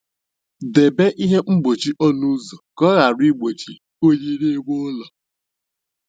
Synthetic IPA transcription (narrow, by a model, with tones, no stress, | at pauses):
de˨be˦ʔi˦ɦe˦ŋ͡m̩˦ɡ͡bo˨t͡ʃi˦ʔɔ˦nu˦zo˨kɔ˦ɣa˨ɾi˦ɡ͡bo˨t͡ʃi˦ | o˦ji˦ɾe˦e˦ɡʷo˦lɔ˨